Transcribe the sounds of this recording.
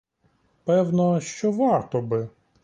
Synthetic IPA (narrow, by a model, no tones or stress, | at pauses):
pɛwnɔʃt͡ʃɔʋɑrt̪ɔbɪ